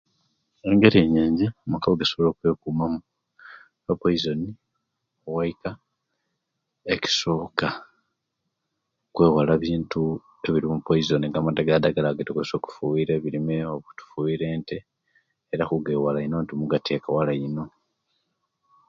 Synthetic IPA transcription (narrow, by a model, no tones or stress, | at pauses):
eŋɡe̞ɾeɲeːɲɟemakaβoɡesoβoloːkwe̞ːkumamu | papoizo̞ni | owaika | eci̥so̞ːka | kwe̞ːwalaβiːntu | e̞βiɾimupoizoniŋɡamadeɡad̪aɡalaɡetekweso̞ku̥fuwiɾeβiɾimeoβu̥tu̥fuiɾeːnteː | ɾaxuɡeːwalaino̞ntimuɡatʰekawalaino̞